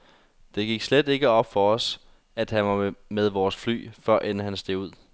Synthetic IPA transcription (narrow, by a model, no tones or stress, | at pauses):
d̥e̝ɡ̥iɡ̥sled̥e̝ɡ̥əɒ̽b̥fɒ̽ɒ̽s | æd̥hænʋɑ̈meðˠʋɒːsfly̰ːfɶɐ̰ʔenhænsd̥e̝ʊuð̞̰ˠ